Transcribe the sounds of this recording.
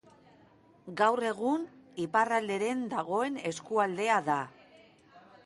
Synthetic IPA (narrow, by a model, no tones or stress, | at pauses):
ɡawre̞ɣ̞uniparald̪e̞ɾe̞nd̪aɣ̞o̞e̞ne̞skuald̪e̞aða